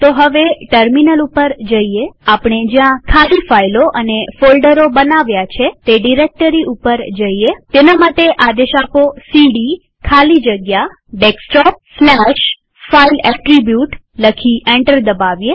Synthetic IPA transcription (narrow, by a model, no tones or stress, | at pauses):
t̪oɦəʋeʈəɾminəlupəɾd͡ʒəieapɳed͡ʒjãkʰalifailoʔənefolɖəɾobənaʋjat͡ʃʰet̪eɖiɾek̚ʈəɾiʔupəɾd͡ʒəiet̪enamaʈeʔad̪eʃaposiɖi | kʰalid͡ʒəɡja | ɖeksʈɔp̚snɛʃ | failɛʈɾibjuʈ | ləkʰiʔɛ̃ɳʈəɾd̪əbaʋje